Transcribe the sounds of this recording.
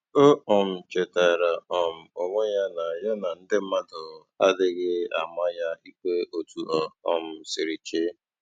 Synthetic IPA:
o˦ɔ˨m̩˨t͡ʃe˨ta˨ɾa˨ɔ˨m̩˨o˨ŋʷo˦ja˦na˨jɔ˦na˨n̩˦dɪ˦m̩˦ma˦dʊ˨ | a˦dɪ˦ɣɪ˦a˨ma˦ja˦i˦kʷe˦ʔo˨tu˨ɔ˨ɔ̰˨m̩˨˦˨sɪ˨ɾi˨t͡ʃe˦

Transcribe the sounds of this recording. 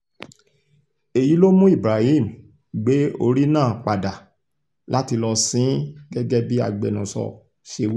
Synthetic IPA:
e˨ji˨˦lo˦mũ˦i˦˨bɾa˨hi˦˨m̩ | ɡ͡be˨˦o˧ɾi˦nãː˦˨k͡pa˨da˨ | la˦ti˧lɔ˧sĩ˨˦ɡɛ˦ɡɛ˦bi˦a˧ɡ͡be˨nũ˨sɔ̰˧ | ʃe˧wi˦

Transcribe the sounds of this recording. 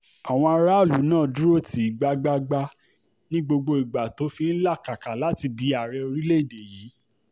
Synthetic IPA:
a˨w̃ɔ̃˧a˧ɾa˦˨lu˨˦nãː˦˨du˦o˦˨ti˨˦i˨ɡ͡ba˧ɡ͡ba˧ɡ͡ba˧ | nĩ˦ɡ͡bo˧ɡ͡bo˧i˨ɡ͡ba˨to˨˦fĩ˧n̩˦la˦˨ka˨ka˨la˨˦ti˧di˧a˨ɾɛ˧o˧ɾi˦le˦i˦˨de˨jiː˨˦

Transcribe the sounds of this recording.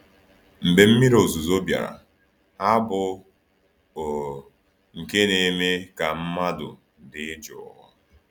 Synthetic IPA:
m̩˨be˨m̩˦mi˦ɾo˨zu˨zo˦bja̰˨ɾa̰˨ | a˦bʊ˦ | o˨ | ŋ̩˨ke˦ne˨me˦ka˨m̩˦ma˦dʊ̰˨ | dɪ˨˦d͡ʒʊ̰˨˦ɦʊ̰˦

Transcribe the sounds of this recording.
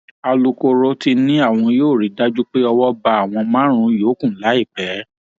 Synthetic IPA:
a˧lu˧ko˧ɾo˦ti˧nĩ˦a˦˨w̃ɔ̃˧joː˦˨ɾi˨˦da˦d͡ʒu˦k͡pe˦ɔ˧wɔ˦ba˧a˦˨w̃ɔ̃˧mã˦ɾ̃ũ˧joː˨˦kũ˦˨˦la˨˦i˦˨k͡pɛ˨˦

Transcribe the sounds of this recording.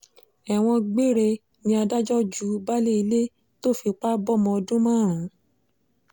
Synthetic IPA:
ɛ˨w̃ɔ̃˧ɡ͡be˦ɾe˧ | nĩ˧a˧da˦d͡ʒɔ˦d͡ʒu˨˦ba˦le˦i˧le˦ | to˦˨fi˧k͡pa˦bɔ˦˨mɔ̃˧ɔ˧dũ˦mã˦˨ɾ̃ũ˨˦

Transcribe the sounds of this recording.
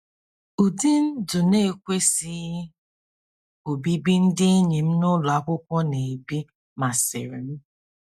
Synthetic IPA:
ʊ˨di˦n̩˦dʊ˨ne˦˨kʷe˦si˦ | o˨bi˦bi˦n̩˦dɪ˦ɲi˨m̩˦nʊ˦la˦kʷʊ˦kʷɔ˦ne˨bi˦ | ma˨sɪ̰˨ɾi˨m̩˦

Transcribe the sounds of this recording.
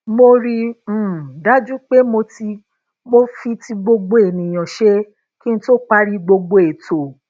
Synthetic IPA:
mo˧ɾĩ˧˨ | da˦d͡ʒu˦k͡pe˦mo˧ti˧ | mo˦fi˧ti˧ɡ͡bo˧ɡ͡bo˧˦e˨nĩ˨j̃ã˨ʃe˦ | ki˦ñ̩˦to˦˨k͡pa˦ɾi˧ɡ͡bo˧ɡ͡bo˧e˨to˨

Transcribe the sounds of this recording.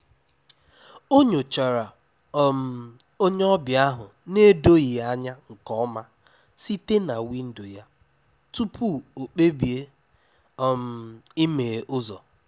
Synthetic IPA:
o˦ɲo˨t͡ʃa˨ɾa˨˦ | m˨o˦ɲe˦ɔ˦bja˦ɦʊ˨ne˦do˦ɣi˨a˦ɲa˦ŋ̩˨kɔ˦ɔ˦ma˦ | si˦te˦na˨wi˦n̩˦do˨ja˦ | tu˦pʰu˦˨o˨k͡pe˦bi˨e˦ | m̩˨i˦me˨ʔʊ˦zɔ˨

